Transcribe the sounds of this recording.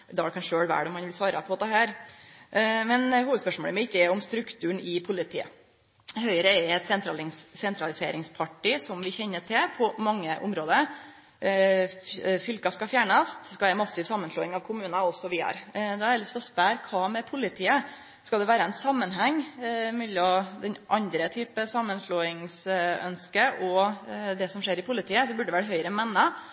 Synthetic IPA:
d̪ɑɽɛkʰɑnʂøːɽʋæ̰ːɖɔmːɑnʋɪlsʋɑːɾʔə̰pʰɔd̪ɛhæːɾ | mɛnhuːʋəd̪spœʂmoːləmɛɪkːəɛɔmst̪ɾʉkt̪ʰʉːəɳɪpʰʊlɪt̪ʰḭːə̰ | hœʏɾəɛɾɛt̪sɛnt̪ɾɑɪŋsɛnt̪ɾɑlɪsḛːɾɪŋspʰɑʈːɪsɔmʋɪçɛnːəʈʰɪlpʰɔmɑŋːəʔʊmɾoːd̪əɾ | fʏlkɑskɑfjæːɳəst̪skɑʋæɾəmɑsɪsɑmːənsloːɪŋɑʋkʰʊmʉːnɑɔsɔʋɪɑ̰ɾd̪ɑæɾlɪst̪ɔspæɾkʰɑːmɛpʰʊlɪt̪ʰiːə | skɑld̪ɛʋæːɾəɛnsɑmːənɦæŋːmɛlːɔmd̪ɛnʔɑnd̪ɾət̪ʰyːpəsɑmːənsloːɪŋsœ̰nskəʔɔd̪ɛsɔmʂeːɾɪpʰʊlɪt̪ʰiːəsɔbʉɖɛʋæʈhɦœʏəɾəmɛnːə

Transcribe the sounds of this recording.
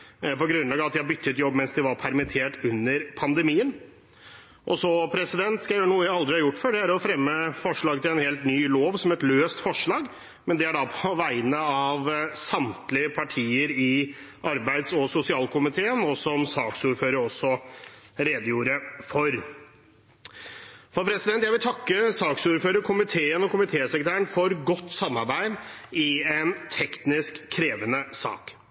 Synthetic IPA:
pɔɡɾʉnlɑːɡɑʋɑt̪d̪æɪhɑbʏt̪ːəɛt̪jɔbːmɛnsd̪ɛʋɑɾpʰæɾmɪt̪ʰeːʈʉnːəɾpʰɑnd̪ɛmiːən | ʔɔsɔpʰɾɛsɪd̪ɛnt̪skɑɳuːəjæɪɑld̪ɾɪhɑɾjʊʈːfɔɖɛæɾɔfɾɛmːəfɔʂɭɑːɡt̪ʰɪlɛnheːlt̪nyːloːʋsɔmɛt̪løːst̪fɔʂɭɑːɡ | mɛnd̪ɛæɖɑpʰɔʋæɪənəɑʋsɑmt̪lɪəpʰɑʈʰiːəɾɪ | ʔɑɾbæɪd̪sɔsʊsɪɑːlkʰʊmɪt̪ʰeːənɔsɔmsɑːksuːɾføːɾəɾɔsɔ | ɾeːd̪əjuːɾəfɔɾ | fɑpʰɾɛsɪd̪ɛnt̪jæɪʋɪlt̪ʰɑkːəsɑːksuːɾføːɾəɾkʰʊmɪt̪ʰeːənɔkʊmɪt̪ʰeːsɛkt̪ʰæːəɳfɔɾɡɔt̪ːsɑmːɑɾbæɪd̪ɪɛnt̪ʰɛkt̪nɪskʰːɾeːʋənəsɑ̰ːk

